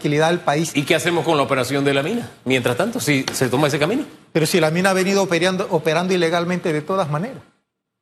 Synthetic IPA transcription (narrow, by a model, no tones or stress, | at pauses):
kiliðaðelpaisikease̞mosko̞nlaope̞ɾasjo̞nd̪e̞lamĩnamjent̪ɾast̪ant̪osise̞t̪o̞maes̬ekamĩno̞pe̞ɾo̞silamĩnaaβe̞niðopeɾand̪oope̞ɾand̪oile̞ɣalmẽnt̪e̞ðe̞t̪o̞ðazmane̞ɾas